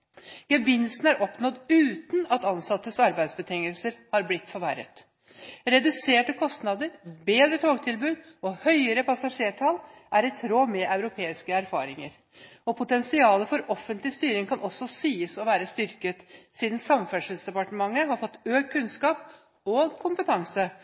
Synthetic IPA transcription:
ɡ̥əbɪnsn̩æɾʔɔpnɔd̪ʉːt̪n̩ɑt̪ɑnsɑt̪ːəsɑɾbæɪd̪sbət̪ʰɪŋəlsəɾhɑɾblɪt̪ːfɔɾʋæɾə̰t̪ | ɾɛd̪ʉseːʈəkʰɔst̪nɑd̪əɾbeːd̪ɾət̪ʰoːɡt̪ʰɪlbʉːd̪ | ɔhœʏəɾəpʰɑsɑʂeːʈʰɑlʔæɾɛt̪ʰɾoːmɛʔɑʉɾʊpʰeːɪskəæɾfɑ̰ːɾɪŋəɾ | ɔpʰʊt̪ɛnsɪɑːləfɔɾɔfːənt̪lɪst̪yːɾɪŋkʰɑnʔɔsːɔsiːəsɔʋæːɾəst̪ʏɾkət̪siːd̪n̩sɑmfæʂəlsd̪ɛpɑʈəmɑŋːəɦɑɾfɔt̪ːøːɡ̚kʰːʉnskɑːp | ɔkʰʊmpət̪ʰɑŋsə

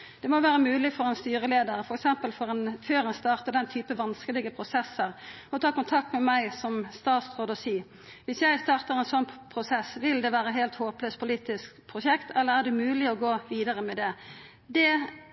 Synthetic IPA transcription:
d̪̥ɛmɔʋæːɾəmʉːlɪfɔɾɛnst̪yːʁəleːd̪əɾfɔɾɛksɛmpəlfɔɾɛnføːɾɛnst̪ɑːʁt̪əd̪ɛnt̪ʰyːpəʋɑnskəlɪɡəpʰɾʊsɛsːəʁɔt̪ʰɑːkʊnt̪ʰɑk̚t̪mɛmæɪsɔmst̪ɑːt̪sʁoːd̪ɔsiː | ʋɪsjæɪst̪ɑːʁt̪əʁɛnsɔnpʰʁʊsɛsʋɪld̪ɛʋæːɾəɦeːlt̪hoːpløːspʰʊliːt̪ɪskpʰʁʊʃɛkt̪ʰɛlːəʁæd̪ɛmʉːlɪɔɡoːʋiːd̪əʁəmɛd̪ɛ | d̪ɛ

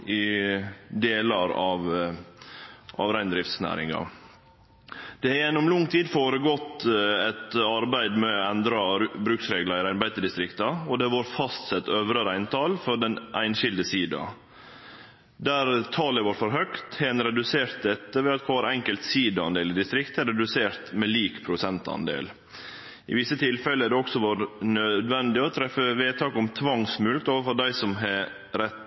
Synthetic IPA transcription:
ɪ | d̪eːlɑɾɑʋ | ʔɑ̰ʋɾæɪnd̪ɾɪft̪snæ̰ːɾɪ̰ŋɑ̰ | d̪̥ɛjɛnːʊmlʊŋːt̪ʰiːd̪foːɾəɡɔt̪ːɛt̪ɑɾbæɪd̪mɛɛnd̪ɾɑbɾʉːksɾeːɡlɑɾɪɾæɪɾbæɪd̪əɖɪst̪ɾɪkt̪ɑɔd̪ɛʋɑɾfɑst̪sɛt̪ːøːʋɾəɾæɪnt̪ʰɑːlfɔɖɛnʔæɪnʃɪld̪əsiːd̪ɑ̰ | d̪æɾt̪ʰɑːləʋɑːɾfɔɾɦœkt̪hɛːnɾɛd̪ʉseːɾt̪̚d̪ɛt̪ːəʋɛɑt̪kʰɑːɾɛŋkəlt̪siːd̪əɑnd̪eːlɪd̪ɪst̪ɾɪkt̪ɛɾɛd̪ʉseːɾt̪mɛliːkpʰɾʊsɛnt̪ɑ̰nd̪ḛːl | ɪ̰ʋɪsːət̪ʰɪlfɛləæɖɛɔksɔʋɑːɾənœd̪ʋɛnd̪ɪɔt̪ʰɾɛfəʋeːt̪ʰɑːkʊmt̪ʰʋɑŋsmʉlkt̪oːʋəɾfɔɖæɪsɔmɦɛ | ɾɛt̪

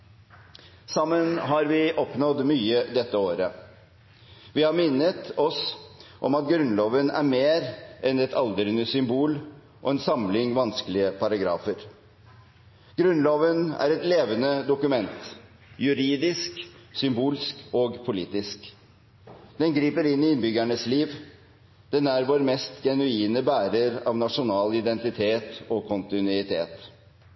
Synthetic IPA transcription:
sɑmːənɦɑɾʋɪʔɔpnɔd̪myːəd̪ɛt̪ːəoːɾə | ʋɪhɑɾmɪnːət̪ɔsʔɔ̰mɑt̪̚ɡɾʉnloːʋənæ̰ɾmeːɾʔɛnɛt̪ʰɑld̪əɾənəsʏmbuːl | ʔɔɛnsɑmlɪŋʋɑnskəlɪəpʰɑɾɑɡɾɑ̰ːfəɾ | ɡ̥ɾʉnloːʋənæ̰ɾɛt̪leːʋənəd̪ʊkʉmɛnt̪ | jʉɾiːd̪ɪsksʏmbuːlskɔɡpʰʊlḭːt̪ɪsk | d̪̥ɛnɡɾiːpəɾɪnːɪɪnbʏɡæɳəsliːʋ | d̪̥ɛnæɾʋoɾmɛst̪ɡɛnʉiːnəbæːɾəɾɑ̰ʋnɑʂʊnɑːlɪd̪ɛnt̪ɪt̪ʰeːt̪ɔkʰʊnt̪ɪnʉɪt̪ʰḛːt̪

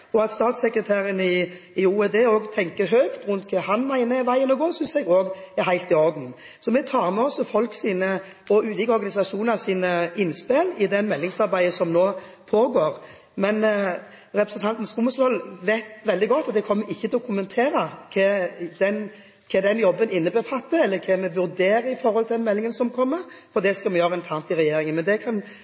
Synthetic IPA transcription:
ɔɑt̪st̪ɑːt̪sɛkɾət̪ʰæːɾənɪɪuːɛd̪eːoːɡt̪ʰɛŋkəɦøːkt̪ɾʉnt̪kʰɑːɦɑnmæɪnəɛʋæɪənɔɡoːsʏnsɛɡoːɡɛɾɦæɪlt̪ɪɔɾd̪n | sɔmɛt̪ʰɑːɾmɛɔsːɔfɔlksiːnə | ɔʉːt̪ɪːkəɔɾɡɑnɪsɑʂuːnɑsiːnəɪnːspelɪd̪ɛmɛlːɪŋsɑɾbæɪəsɔmnoːpʰoːɡoːɾ | mɛn | ɾɛpɾəsɛnt̪ʰɑnt̪n̩skuːməslɔlʋeɪt̪ʋɛld̪ɪɡɔt̪ːɑt̪̚d̪ɛkʰɔmːəɾɪçːət̪ʰɪlɔkʰʊmənt̪ʰeːɾɑkʰɛd̪ɛn | kʰɑɛd̪ɛnjɔbːənɪnːəbəfɑt̪ːəɛlːəkʰɛmɛʋʉɾd̪eːɾəɪfɔɾhɔlʰɪld̪ɛnmɛlːɪŋənsɔmkʰɔmːəɾfɔʁd̪ɛskɑmɛjøːɾəɛnt̪ʰɑːʁnt̪ɪɾɛjeːɾɪŋənmɛnd̪ɛkʰɑn

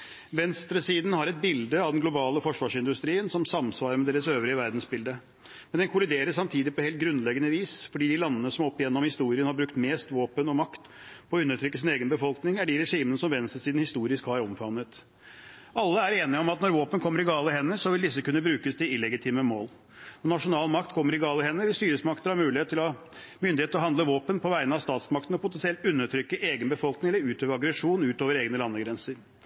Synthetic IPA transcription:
ʋɛnst̪ɾəsiːd̪n̩hɑɾɛt̪̚bɪld̪əɑʋd̪ɛnɡlʊbɑːləfɔʂʋɑːʂɪnd̪ʉst̪ɾiːənsɔmsɑmsʋɑːɾəmɛd̪eːɾəsøːʋɾɪəʋæɾd̪n̩sbɪld̪ə | mɛnd̪ɛnkʰʊlɪd̪eːɾəssɑmt̪ʰiːd̪ɪpʰɔheːlt̪̚ɡɾʉnːlɛɡənəʋiːsfɔɖiːd̪ɪlɑnːənəsɔmɔpːɪjɛnːɔmhɪst̪uːɾɪənhɑbɾʉkt̪meːst̪ʋoːpənɔmɑkt̪ | pʰɔʉnːəʈʰɾʏkːəs̬ɪneːɡənbəfɔlknɪŋæɖɪɾɛʂiːmənəsɔmʋɛnst̪ɾəsiːd̪n̩hɪst̪uːɾɪskhɑɾɔmfɑnːət̪ | ʔɑlːəæɾeːnɪɔmɑt̪nɔɾʋoːpənkʰɔmːəɾɪɡɑːləɦɛnːəsɔʋɪld̪ɪsːəkʉnːəbɾʉːkəsd̪ɪɪlːɛɡɪt̪ʰiːməmoːl | ɔnɑʂʊnɑːlmɑk̚t̪kʰɔmːəɾɪɡɑːləhɛnːəʋɪlst̪yːɾəsmɑkt̪əhɑɾmʉːlɪheːt̪ʰːɪlɔ | mʏnd̪ɪheːt̪ɔɦɑnd̪ləʋoːpənpʰɔʋæɪnəɑʋst̪ɑːt̪smɑk̚t̪ən̩ɔpʰʊt̪ɛnsɪɛlt̪ʉnːəʈʰɾʏkːəʔeːɡənbəfɔlknɪŋɛlːəɾʉːt̪ʰøːʋəɑɡɾɛʂuːnʉːt̪oːʋəɾeːɡnəlɑnːəɡɾɛnsəɾ

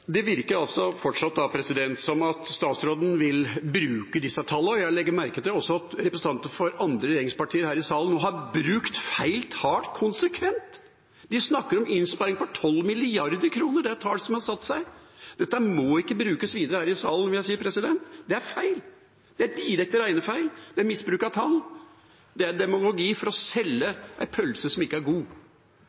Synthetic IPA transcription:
d̪ɛʋɪɾkəɾɑlsɔfɔʈʂɑt̪̚d̪ɑpʰɾɛsɪd̪ɛnt̪sɔmɑt̪st̪ɑːt̪sɾoːd̪n̩ʋɪlbɾʉːkəd̪ɪsːət̪ʰɑlːəɔjæɪlɛɡːəɾmæɾkət̪lɔsːɔɑt̪ɾɛpɾəsn̩t̪ɑnt̪əfɔɾɑnd̪ɾəɾɛjeːɾɪŋspɑʈʰiːəɾhæːɾɪsɑːlnːoːɦɑɾbɾʉkt̪fæɪlt̪hɑːʈkʰʊnsəkʰʋɛnt̪ | d̪ɪsnɑkːəɾɔmɪnspɑɾɪŋpɔt̪ʰɔlːmɪlɪɑɾd̪əɾkʰɾuːnəɖɛæɾt̪ʰɑːlsɔmhɑsɑt̪ːsæɪd̪̥ɛt̪ːəæmɔɪkːəbɾʉːkəsʋiːd̪əɾəhæːɾɪsɑːlən̩ʋɪljæɪsiːəɾpʰɾɛsɪd̪ɛnt̪d̪ɛæɾfæɪl | d̪̥ɛæɾɖ̪iːɾɛk̚t̪əɾæɪnəfæɪld̪ɛæɾmɪsbɾʉːkɑt̪ʰɑl | d̪ɛæɾd̪ɛmʊɡʊɡiːfɔɾɔsɛlːəʔæɪpʰœlsəsɔmɪkːəæɾɡuː

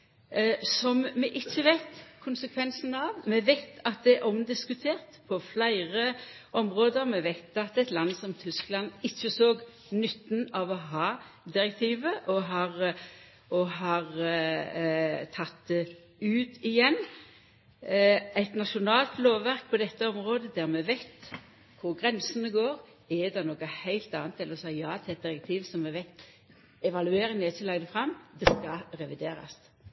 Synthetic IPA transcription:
sɔmmɛʔɪçːəʋæɪt̪kʰʊnsəkʰʋɛnsn̩ɑʋmɛʋæɪt̪ʰɑt̪̚d̪ɛʔɔmd̪ɪskʉt̪ʰeːʁt̪pʰɔflæɪʁəʔɔmʁoːd̪əɾmɛʋæɪt̪ɑt̪ɛɪt̪lɑnːsɔmt̪ʰʏsklɑnɪçːəsoːɡ | nʉt̪ːnɑʋɔɦɑː | d̪ɪʁɛk̚t̪ʰiːʋəʔɔɦɑːʁ | ɔɦɑːʁ | t̪ʰɑt̪̚d̪ɛ | ʉːt̪ɪjɛnː | æɪt̪nɑʃʊnɑːlt̪loːʋʋæʁk̚pʰɔd̪ɛt̪ːəɔmʁoːd̪əd̪æʁmɛʋæɪt̪ | kʰʊʁɡɾɛnsənəɡoːʁ | ɛd̪ɛnoːkəhæɪlt̪ɑːnt̪ʰːɛləɾɔsɑɪjɑːt̪ʰɛt̪̚d̪ɪɾɛk̚t̪ʰiːʋsɔmːɛʋæɪt̪ | ɛʋɑlʉeːɾɪŋəɛt͡ʃɪlɑɡd̪əfɾɑmd̪ɛskɑɾɛʋɪd̪eːɾɑ̰s

